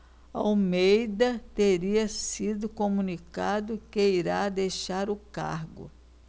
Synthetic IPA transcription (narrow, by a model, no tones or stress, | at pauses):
ɐomejd̪ɐt̪eɾiɐsid̪ʊkomũnikad̪ʊkeiɾad̪ejʃaɾʊka̰ɾɡʊ̰